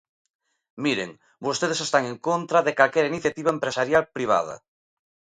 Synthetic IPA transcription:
miɾḛŋ | bost̪eð̞esest̪aŋeŋkont̪ɾɐðekalkɛɾiniθjat̪iβɐempɾesaɾjalpɾiβ̞a̰ðɐ̰

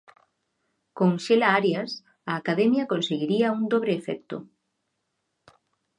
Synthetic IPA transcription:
koŋʃelaaɾjas | aːkaðɛmjɐkonseɣiɾiaund̪oβ̞ɾeːfɛ̰k̚t̪o̰

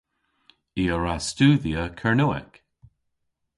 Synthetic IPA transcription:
iːəɹastuːðiəkʰəɹnuɛ̰k

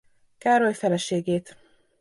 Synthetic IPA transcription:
kaːɾojfɛlɛʃeːɡeːt̪

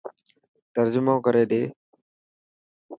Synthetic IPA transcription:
t̪əɾd͡ʒʊmõːkəɾeːd̪eː

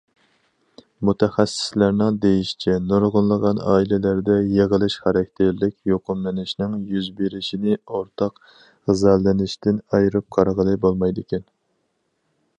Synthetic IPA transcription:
mut̪ʰɛχæsːɪ̥slæɾnɪŋd̪ejiʃi̥t͡ʃʰɛnoɾʁʊnlˠəʁɑnɑ̰ːilɪlæɾd̪ɛjeʁəlˠɪʃχæɾɛkʲt̪ʰɪɾlɪkʲjoqʊmːɪnɪʃnɪŋjyzbeɾɪʃinɪoɾt̪ʰɑq | zælːɪnɪʃt̪ɪnɑjɾɨp̚qʰɑɾʁəlˠɨbolˠmɑjd̪ɪkʲʰɛn

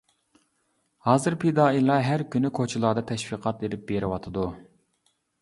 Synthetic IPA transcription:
hɑːzɨɾpʰed̪ɑːilˠɑɦæɾkʲynykʰot͡ʃʰilˠɑd̪ɑt̪ʰɛʃwiqʰɑt̪eɾɪp̚b̥eɾɪwɑt̪ʰɨd̪u

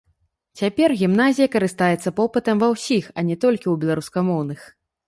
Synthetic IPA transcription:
t͡sʲapʲɛrɣʲimn̪azʲijɐkɐɾɨst̪ajɛt̪sːɐpɔpɨt̪ɐmvɐwsʲixɐnʲɛt̪ɔlʲkʲiuwbʲɛlˠaɾuskɐmɔwnɨx

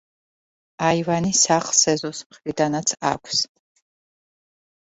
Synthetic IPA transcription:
aivanisaχlˠsɛzɔsmχɾid̪anat̪sʰa̰kʷʰs

